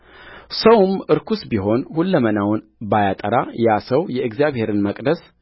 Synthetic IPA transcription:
səwmʔɨɾkʰusbiɦo̞nhulːəmənawnbajat̪ʼəɾajasəwjɛʔɨɡzijaβhe̞ɾɨnməkʼd̪əs

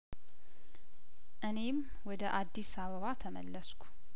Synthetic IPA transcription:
ʔɨne̞m | wɔd̪əʔad̪ːisaβəβat̪ʰəmə̰lːəskʰʷu̥

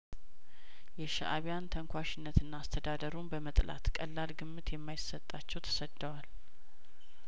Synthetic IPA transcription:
jɛʃaʔaβijant̪ʰəŋkʷaʃɪnːət̪ɨnːaːst̪ʰəd̪ad̪əɾunbəmət̪ʼla̰t̪kʼəlːalɡɨmːɨt̪jɛmːajɪsːət̪ʼːat͡ʃːɛwt̪ʰə̥səd̪ːəwal

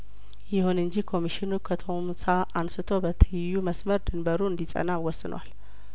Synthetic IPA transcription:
jɪhunɨɲd͡ʒikʰo̞miʃɪnukʰət̪ʰomsaʔansɨt̪ʰobət̪ʰɨjjːuməsməɾd̪ɨnbəɾuɨnd̪isʼə̰nawɔsːɨnwa̰l

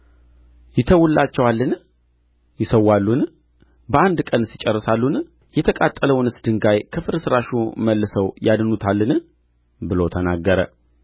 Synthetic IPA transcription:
jɪt̪ʰəwʊlːat͡ʃːɛwalːɨn | jɪsəwːalːun | bəand̪kʼənsit͡ʃʼɛrːəsalːun | jɛt̪ʰəkʼat̪ʼːələwnɨsd̪ɨŋɡajkʰəfɨɾsɨɾaʃuməlːɨsəwjad̪nut̪ʰalːɨn | bɨlot̪ʰənaɡːəɾə̰

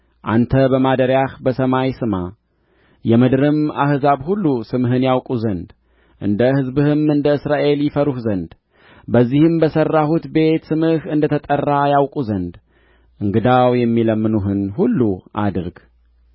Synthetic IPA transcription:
ʔa̰nt̪ʰəbəmad̪əɾjahbəsəmajsɨma | jɛmɨd̪ɾɨma̰hzaβhulːusɨmɦɨnjawkʼuzənd̪ | ʔɨnd̪əhɨzbɨhɨmɨnd̪əɨsɾaʔe̞ljɪfəɾuhzənd̪ | bəzːihɨmbəsərːahut̪be̞t̪sɨmɨhɨnd̪ət̪ʰət̪ʼərːajawkʼuzənd̪ | ʔɨŋɡɨd̪awjɛmːiləmːɨnuɦɨnhulːuʔa̰d̪ɨɾɡ

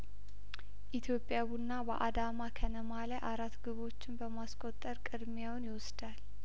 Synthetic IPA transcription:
ʔit̪ʰjo̞pʼjaβunːabə̰ʔad̪amakʰənəmalajʔaɾat̪ːɡɨβo̞t͡ʃːɪnbəmaskʼot̪ʼːəɾkʼɨd̪mjawnjɪwɔsd̪al

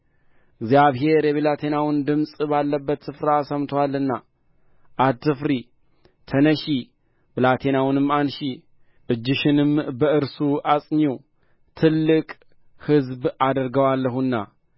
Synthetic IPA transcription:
ʔɨɡzjaβɦe̞ɾjɛβilat̪ʰe̞nawɨnd̪ɨmsʼbalːəbːət̪sɨfɾaːsəmt̪ʰwalːɨnːa | ʔːd̪t̪ːɨfɾi | t̪ʰənəʃi | bɨlat̪ʰe̞nawnɨmːanʃi | ʔɨd͡ʒːɪʃɪnɨmbəʔɨɾsuʔasʼɲu | t̪ʰɨlːɨkʼ | hɨzbad̪əɾɡəwalːəɦunːa̰

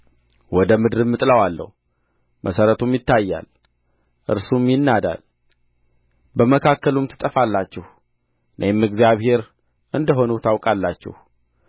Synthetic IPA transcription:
wɔd̪əmɨd̪ɾɨmːɨt̪ʼləwalːə̰h | mʔəsəɾət̪ʰumjɪt̪ːajːa̰l | ʔɨ̰ɾsumjɪnːad̪a̰l | bəməkʰakːəlumt̪ʰɨ̥t̪ʼəfalːat͡ʃːɪh | nʔə̰mːɨɡzijaβhe̞ɾ | ɨnd̪əɦo̞nut̪ʰawkʼalːat͡ʃːɪ̰h

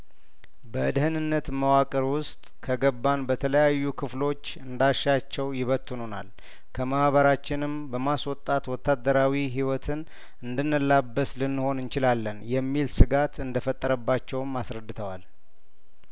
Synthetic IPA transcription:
bəɨd̪ɨhɨnɨnːət̪məwakʼəɾwʊst̪ʼkʰəɡəbːanbət̪ʰələjajːukʰɨflo̞t͡ʃːɨnd̪aʃːat͡ʃːɛwjɪβət̪ʰːunona̰l | kʰəmahβəɾat͡ʃːɪnɨmbəmaswɔt̪ʼːat̪wɔt̪ʰːad̪əɾawiɦiwɔt̪ʰɨn | ɨnd̪ɨnːəlːabːəslɨnːɨho̞nɨnt͡ʃɪlalːənjɛmːilsɨɡat̪ɨnd̪əfət̪ʼːəɾəbːat͡ʃːɛwmasɾəd̪ːɨt̪ʰəwal

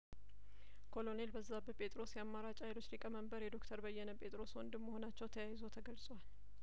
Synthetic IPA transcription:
kʰo̞lo̞ne̞lbəzːabəpʼe̞t̪ʼɾo̞sjɛamːaɾat͡ʃʼajlo̞t͡ʃːlikʼəməmbəɾjɛd̪o̞kt̪ʰəɾbəjːɛnəpʼe̞t̪ʼɾo̞swɔnd̪ɨmːəho̞nat͡ʃːɛwt̪ʰəjajizo̞t̪ʰəɡəlsʼwal

